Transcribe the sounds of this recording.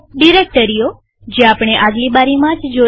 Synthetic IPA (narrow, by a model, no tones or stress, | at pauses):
ɖiɾek̚ʈəɾijo | d͡ʒeapɽ̃eʔaɡlibaɾimãt͡ʃd͡ʒo